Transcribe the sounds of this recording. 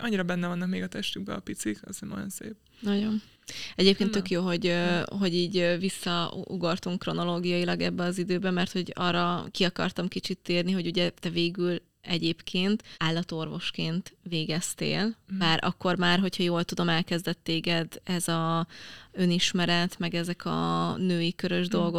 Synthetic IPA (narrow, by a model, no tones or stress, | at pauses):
ɒɲːiɾɒbɛnːɛvɒnːɒk̚meːɡɒt̪ɛʃt̪yɡ̚bɛ̰ɒpit̪sikɒ̰zenɒ̰jo̞̰nsḛːp̚ | nɒɟo̞n | ɛɟeːp̚keːnt̪ːø̞kjoːɦo̞ɟøɦo̞ɟiːɟvisːɒuɡort̪uŋkːro̞no̞loːɡijɒjilɒɡɛbːɛɒzid̪øːbɛmːɛrt̪ho̞ɟɒ̰rːɒkiɒkɒ̰rt̪ɒmkit͡ʃit̪ːeːrniɦo̞ɟuɟɛt̪ɛveːɡyl | ɛɟeːpkʰeːnt̪aːlːɒt̪o̞rvo̞ʃkeːnt̪veːɡɛst̪ḛːlbaːɾʔɒ̰kːo̞rmaːrɦo̞chɒjoːlt̪ud̪o̞mɛlkɛzd̪ɛt̪ːeːɡɛd̪ɛzɒ | ø̞niʃmɛɾɛt̪mɛɡɛzɛkʰɒ̰nøːjikøɾøʒd̪o̞lɡo̞